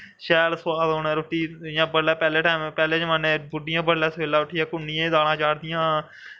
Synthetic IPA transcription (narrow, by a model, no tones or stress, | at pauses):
ʃɛːlsʋaːd̪oːnẽːɾoːʈiːjãːbəɽɛːpɛːleːʈaːɪmpɛːleːt͡ʃmanẽːbʊɖɪjãːbəɽlɛːsʋeːlaːʊʈʰiːãːkʊnːiːẽd̪aːɽ̃ãːt͡ʃaːɽd̪ɪjãː